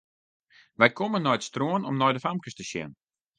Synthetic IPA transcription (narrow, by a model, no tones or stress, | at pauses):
ʋɛjkʰomənːɔjətstroənɔmnɔjdəfamkəstəʃjɛ̰n